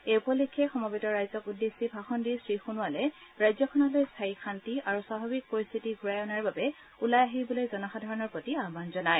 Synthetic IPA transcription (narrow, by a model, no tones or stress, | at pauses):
eupɔlikʰːɛxɔmɔbitɔɹajzɔkudːesibʱaxɔndiɹsɹixunʊalɛɹajzɔkʰɔnɔlojstʰajikʰantiaɹusababik̚poɹist̪ʰitiɡʱuɹajɔnaɹbabɛ | ulajaɦibɔlojzɔnɔxadʱaɹɔnɔɹpotiaɦbanzɔnaj